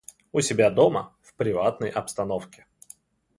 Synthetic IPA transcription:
ʊsʲɪbʲad̪omə̰fpɾʲɪvat̪̚nəjʔɐpst̪ɐnofkʲɪ̥

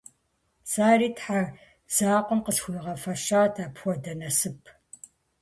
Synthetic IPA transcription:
saːriːtħar | z̥aːqʷɔmqəsxʷʊlʁɐfɐʃaːrtʰaːpxʷɔdɐnɐsɨpʰ

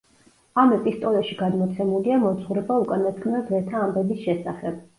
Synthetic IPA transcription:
amɛpʼist̪ʼɔlaʃiɡad̪mɔt̪sʰɛmuliamɔt̪sʼχuɾɛbaukʼanat̪̚kʰmnazvɛt̪ʰaːmbɛbisʃɛsaχɛb̥

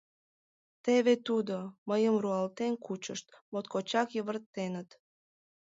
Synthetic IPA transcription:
t̪eβet̪ud̪oməjəmruɑlt̪enkut͡ɕəʃt̪mot̪kot͡ɕɑkjəβərt̪ːenət̪

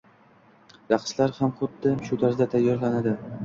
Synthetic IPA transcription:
ɾɑqslaɾhamχʊt̪̚d̪ɪmʃʊt̪ʰaɾzd̪at̪ʰajːɒɾlanad̪ɪ

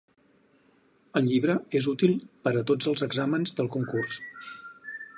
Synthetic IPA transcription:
əlˠʎiβɾəezut̪ilˠpəɾət̪od͡zəlˠzəɡzamənzðəlˠkuŋkurs

